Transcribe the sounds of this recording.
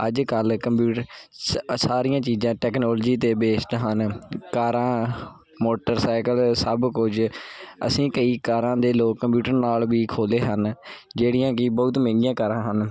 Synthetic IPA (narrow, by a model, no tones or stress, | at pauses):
əd͡ʒkəlkəmpjuːʈəɾ | saːɾijãːt͡ʃiːzãːʈɛːknɔːld͡ʒiːt̪eːbeːst̪ɦənkaːɾãː | moːʈəɾsaːɪkəlsəbkʊd͡ʒə̰sĩːkəiːkaːɾãːd̪eːloːkːəmpjuːʈəɾnaːlʋiːkʰoːleːɦənd͡ʒeːɽijãːkɪbəʊt̪mɛ̃ːŋɡɪjãːkəɾãːɦən